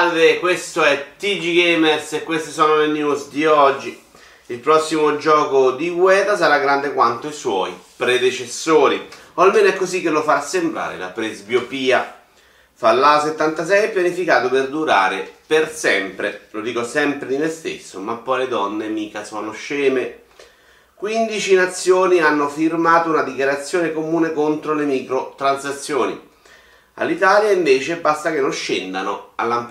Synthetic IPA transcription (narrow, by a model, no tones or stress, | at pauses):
avekwest̪oɛt̪ːid͡ʒiɡemersekːwest̪esɔːnolenjusd̪iɔd͡ʒːi | ilpɾɔsːimod͡ʒɔːkod̪iɡwɛːt̪asaɾaɡɾand̪ekwant̪oiswɔ̰ːjpɾed̪et͡ʃesːoːɾi | oalmeːnoɛkːozikːelofaɾasːembɾa̰ːɾḛla̰pɾezbjopiːa | falːaset̪ːant̪as̬ɛjɛpjanifikaːt̪operd̪uɾaːɾepersɛmpɾelod̪iːkosɛmpɾed̪imest̪ḛsːomapːɔjled̪ɔnːemiːkasɔːnoʃɛːme | kwind̪it͡ʃinat̪sːjoːnianːofirmaːt̪ounad̪ikjaɾat̪sːjoːnekomuːnekont̪ɾolemiːkɾot̪ɾansat̪sːjoːnḭ | a̰lːit̪aːljaiɱveːt͡ʃebast̪akenːonʃend̪anoa̰lːam